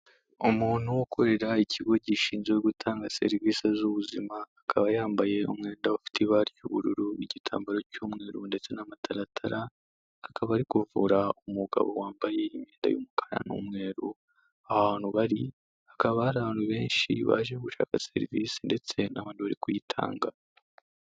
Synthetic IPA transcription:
omuːn̥uwokʰo̞ɾe̞ɾaiciɡo̞ɟiʃiːnzɡeɡutʰaːŋɡase̞̰ɾiviːsezuβuzimaːkʰaβajaːmbaje̞umŋe̞ːndaufi̥tʰiβaɾicuβuɾuɾuiɟitʰa̰ːmbaɾocuːmŋe̞ːɾunde̞t͡se̞namatʰaɾatʰaɾʔaː | kaβaːɾikuvuɾaumuɡa̰βo̞̰waːmbaje̞imeːnda̰jṵmukʰḁɾa̰nṵmŋe̞ːɾu | ahaβaːnhuβaɾi | akaβahaɾaβaːnhuβe̞ːnʃḭβa̰ʒeɡuʃa̰ːkase̞̰ɾivisende̞t͡se̞naβaːnuβaɾikujitʰa̰ːŋɡa

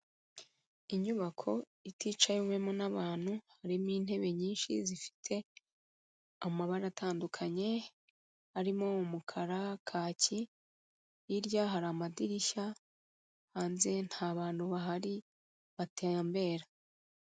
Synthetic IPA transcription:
iɲuβakʰo̞ | itiːt͡ʃajume̞monaβaːn̥huhaɾimiːn̥he̞βe̞ɲiːnʃḭzifi̥tʰe̞ | amaβaɾaatʰaːndukʰaɲe̞ | aɾimoumukʰaɾakʰaːci | jiɾjaɦaɾamadiɾiʃa | haːnze̞n̥haːβaːn̥huβaɦaɾi | βatʰeːmbe̞ːɾa

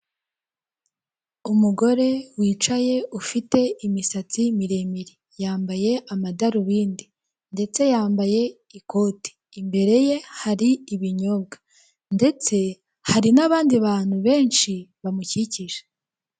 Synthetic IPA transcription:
umuɡo̞ɾe̞wiːt͡ʃaje̞ufite̞imisat͡simiɾemiɾi | jaːmbaje̞ʔamadaɾuβiːndi | nde̞t͡se̞jaːmbaje̞ | iko̞ːti̥ːmbe̞ɾe̞je̞haɾiːβiɲo̞b̚ɡḁ | nde̞t͡se̞ | haɾinaβaːndiβaːn̥huβe̞ːnʃiβamuciciʒe̥

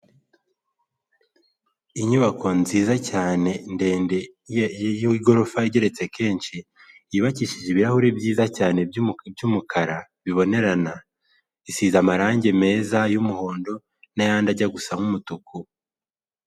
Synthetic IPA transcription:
iɲuβako̞nziːzacaːne̞nde̞ːnde̞ | jiɡo̞ɾofaiɟe̞ɾe̞t͡se̞kʰe̞ːnʃi | iβaciʃiʒiβiɾahuɾebjiːzacaːne̞bjumukʰaɾa | βiβo̞ne̞ɾana | isiːzamaɾaːɲɟe̞me̞ːzajumuho̞ːndo̞ | najaːndaɟaɡusaŋumutukʰu

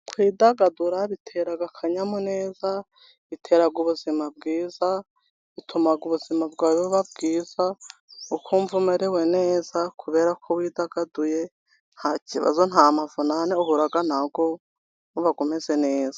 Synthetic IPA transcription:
kwiːdaɡaduɾaβitʰe̞ɾaɡakʰaɲamone̞ːza | βitʰe̞ːɾaɡuβuzimab̚ɡiːza | βitʰumaɡuβuz̥imabɡaːβoβab̚ɡiːz̥aukʰoɱvumeɾeweneːz̥akʰuβe̞ːɾakʰowiːdaɡaduje | n̥haciβa̰zonhamavonaneohuɾaɡanaɡo | oβaɡomeze̞ne̞ːz̥ḁ

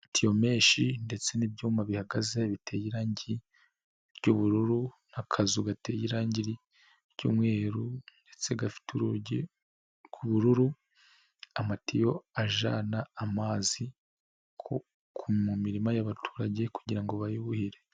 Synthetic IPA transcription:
tʰijo̞me̞ːʃinde̞t͡se̞nibɟuːmaβihaɡaze̞βitʰejiɾaːɲɟii | ɾɟuβuɾuɾu | nakʰazuɡate̞jiɾaːɲɟiɾi | ɾɟṵːmŋe̞ːɾunde̞t͡se̞ɡafi̥tu | kʰuβuɾuɾu | amatijo̞aʒa̰naːmaːzi | ko | kʰumumiɾimajaβatʰu̥ːɾaɟe̞ku̥ɟiɾaŋɡo̞βajuβuhiɾe̞

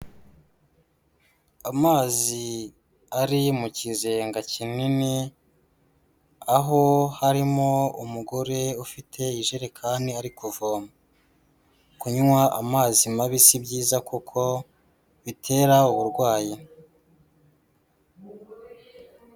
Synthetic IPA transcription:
amaːzi | aɾimucizeŋɡacinini | aɦo̞haɾimoumuɡo̞ɾe̞ufitʰe̞iʒeɾekʰaːndiaɾikuvoːma | kuɲuwaa̰maːzimaβisibɟiːzakukʰo̞ | βitʰe̞ːɾauβuɾɡwaːji

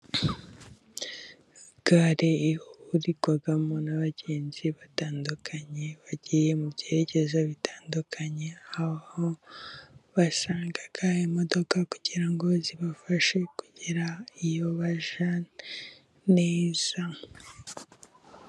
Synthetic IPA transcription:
ɡ̥aɾeihuɾiɡwaɡamonaβaɟe̞ːnziβataːndukʰaɲe̞βaɟijemubjeɾeɟe̞zaβitaːndukʰaɲe̞aβaho | βasaːŋɡaɡaemodo̞kakuɟ̥iɾaŋɡo̞ziβafaʃe̞kuɟiɾaijoβaʒa | ne̞ːz̥a

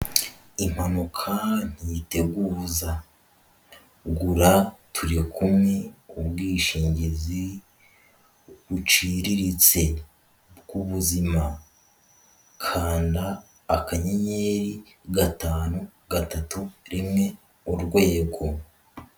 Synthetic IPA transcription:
im̥hanukʰan̥ite̞ɡuːza | ɡuɾatʰuɾikumŋeubɡiːʃiːɲɟezi | ɡut͡ʃiɾiɾit͡se̞ | bɡuβuzima | kʰaːndaː | kaɲeɲe̞ɾi | ɡataːnuɡatatuɾimŋe̞ | uɾɡwe̞ːɡo̞

